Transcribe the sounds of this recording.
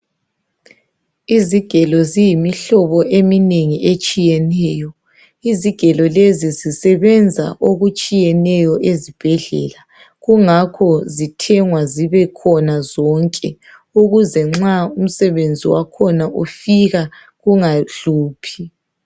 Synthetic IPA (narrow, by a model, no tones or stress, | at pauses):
iziɡ̥ʱɛlɔzijimiɬɔβɔʔemineŋiʔet͡ʃʼijɛnɛːjɔ | iziɡ̥ʱɛlɔlezizisɛβɛnd͡zʱa̰ʔoɣut͡ʃʼijɛnɛjɔʔezib̥ʱɛɮɛ̰la | ɣuŋakʰɔzitʰɛŋwaziβɛkʰɔnazɔŋkʼɛ | uɣuzɛŋ͡ǁaum̩sɛβend͡zʱiwakʰɔnaʔufiɣa | ɣuŋaɮuːpʰi